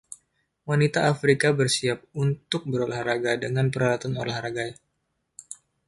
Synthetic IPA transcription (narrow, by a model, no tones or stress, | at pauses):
wanit̪aːfɾikabərsiap̚unt̪ʊk̚bəɾolahraɡadəŋanpəɾalat̪ano̰lahraɡaj